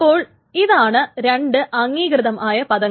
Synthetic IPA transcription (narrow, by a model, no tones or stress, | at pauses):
pːo̞ːɭ | iðaːɳɨɾe̞ɳɖɨʔɐŋːiːɡrɨðɐmʔaːjɐpɐðɐŋː